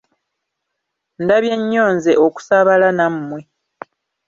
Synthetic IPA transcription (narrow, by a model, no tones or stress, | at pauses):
ndaβje̞ɲːo̞ːnzeʔoku̥saβalanamːwe